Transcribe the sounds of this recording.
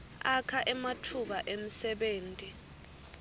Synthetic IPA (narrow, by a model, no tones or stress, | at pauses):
akʰaʔɛmatʰuɓaʔem̩sɛɓeːntʼi